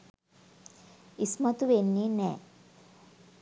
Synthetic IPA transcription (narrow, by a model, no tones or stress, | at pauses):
ismɐt̪uʋenːiːnɛː